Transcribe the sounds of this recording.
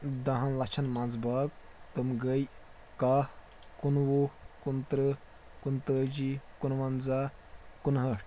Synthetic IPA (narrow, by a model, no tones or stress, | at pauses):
d̪ɐɦɐ̃nlɐt͡ʃʰɐnmɐnzbaːk | t̪ɨmɡəj | kaːh | kunʋokunt̪ɾɨ | kunt̪əːd͡ʒikunʋɐnzaːkunɦəʈ